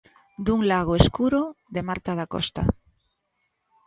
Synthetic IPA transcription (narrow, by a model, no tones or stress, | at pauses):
d̪uŋlaɣ̞oeskuɾoðemaɾt̪aðako̰st̪a̰